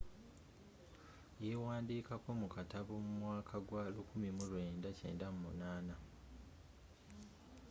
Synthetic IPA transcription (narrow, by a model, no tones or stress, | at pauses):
jewaːndiːkako̞mukataβomumwaːkʰaɡwalukumimulwe̞ːndace̞̰ːndamumṵnaːna